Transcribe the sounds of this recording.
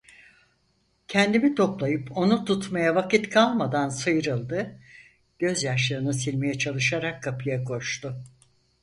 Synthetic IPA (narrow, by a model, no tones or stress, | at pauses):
cʰɛnd̪imit̪ʰo̞plˠajɯpʰo̞nut̪ʰut̪majavakit̪kʰalˠmad̪ansɯjɾɯlˠd̪ɯ | ɟ̥ø̞zjaʃlˠɯɾɯnɯsilʲmejɛt͡ʃʰalˠɯʃaɾakʰːapʰɯjakʰo̞ʃt̪ʊ